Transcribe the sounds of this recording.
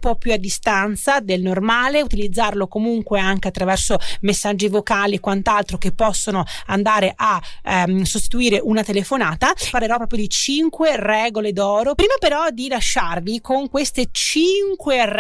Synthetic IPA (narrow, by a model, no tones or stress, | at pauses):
mpɔpːjuad̪ːist̪ant̪sad̪elnormaːleut̪ilid̪zːarlokomuŋkweaŋkeat̪ːɾavɛrsomesːad͡ʒːivokaːliekːwant̪alt̪ɾokepːɔsːonoand̪aːɾeʔa | sost̪i̥t̪uiːɾeʔunat̪elefonaːt̪aparleɾɔpːɾɔːpɾjod̪it͡ʃiŋkwerɛːɡoled̪ɔːɾopɾiːmapeɾɔd̪ilaʃːarvikoŋkwest̪et͡ʃiŋkwer